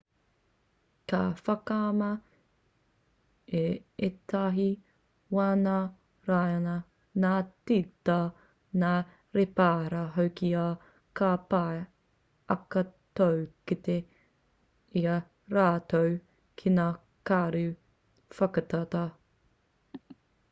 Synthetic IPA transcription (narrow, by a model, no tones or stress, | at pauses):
kafɐkamɐ | eetʰaɦi | waːna | ɾajɐnɐ | naːtitɐ | naː | ɾepaːɾɐɦowkia | kapa | ʔɐkɐtowkit̪e | ia | ɾaːt̪ow | kʰinaː | kaːɾʉ | fɐkɐtatɐ